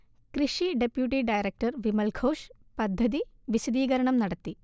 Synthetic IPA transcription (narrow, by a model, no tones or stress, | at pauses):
kriʂiɖepjuʈːiɖɐjɾek̚ʈɐrʋimɐlkʰo̞ːʂpɐd̪ʱːɐði | ʋiɕɐd̪iːɣɐɾɐɳɐmnɐɽɐt̪ːi